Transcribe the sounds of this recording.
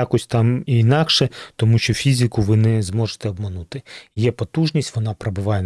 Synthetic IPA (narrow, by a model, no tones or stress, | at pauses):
akɔsʲt̪ɑmiːnɑkʃɛt̪ɔmuʃt͡ʃɔfʲizʲɪkʊʋɪnɛzmɔʒe̥t̪ɛɔbmɐnut̪ɪjɛpɔt̪uʒnʲisʲtʲʋɔnɑpɾebɪʋɑjɛ